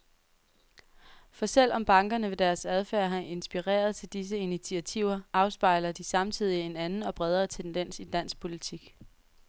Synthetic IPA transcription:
fɒ̽sel̰ɒ̽mb̥ɑ̈ŋɡ̥ɐnəʋe̝d̥æɐsæð̞ˠfæːɐɦɑʔe̝nsb̥iʁɛ̰ːɐð̞ˠt͡sʰe̝ld̥is̬əinit͡sʰiæt͡sʰiʊ̰ɐʔɑ̈ʊsb̥ɑ̈ɪlɐd̥isɑ̈mt͡sʰið̞̰ˠie̝nænn̩ɒ̽b̥ʁɛð̞ˠʁɐt͡sʰend̥en̰sid̥æn̰s̚pʰo̝lit͡sʰiɡ̥

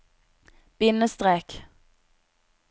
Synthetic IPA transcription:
b̥ɪnːəst̪ɾɛk

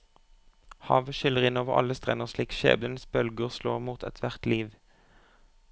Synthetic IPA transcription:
hɑːʋəʃʏləʁɪnoːʋəʁɑ̰ləst̪ʁɛnəʁʃliːkʃḛːblənsbœlɡəʁslo̰ːʁmuːt̪ʰɛ̰t̪ʰʋæʁt̪liːʋ

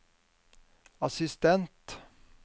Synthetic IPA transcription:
ɑsɪst̪ɛnt̪

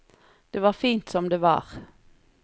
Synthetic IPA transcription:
d̪̥eːʋɑːʁfiːnt̪sɔmd̪eːʋɑ̰ːʁ

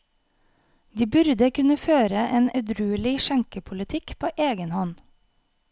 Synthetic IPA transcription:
ʋiːbʉɾd̪əkʉnəføːɾəʔeːnɑʉd̪ɾʉːlɪʃæŋkəpʰʊlɪt̪ʰɪkpʰoːʔeːɡənhɔn

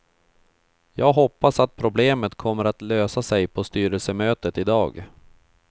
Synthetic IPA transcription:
jɑːɡɦɔpːasat̪̚pʰɾʊbleːmət̪kʰɔmːəɾat̪løːsasɛjpʰɔst̪yːɾəlsəmøːt̪ət̪ɪd̪ɑ̰ːɡ

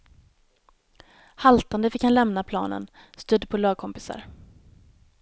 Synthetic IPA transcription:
halt̪and̪əfɪkhanlɛmnapʰlɑ̰ːnə̰n | st̪ɵd̪ːpʰɔlɑːɡ̚kʰɔmpɪsa̰ɾ

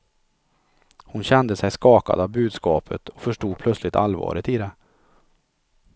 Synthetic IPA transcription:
hʊnɕɛnd̪əsɛjskɑːka̰d̪avbʉ̟ːd̪skɑːpʰət̪ʰɔ̥fœʂʈuːd̪̚pʰlœt̪slɪt̪ʰalvɑ̰ːɾət̪ɪd̪ɛ

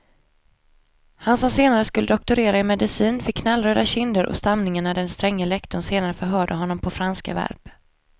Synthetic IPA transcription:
hansɔmseːnaɾəskɵlːəd̪ɔk̚t̪ʊɾeːɾaɪmɛd̪ɪsiːnfɪkːnalːɾøːd̪aɕɪnd̪əɾʔɔ̰st̪amnɪŋaɳad̪ɛnst̪ɾɛŋːəlɛkt̪ʊnseːnaɾəfœɾɦœːɖəɦɔnːɔmpʰɔfɾanska̰væ̰ɾb

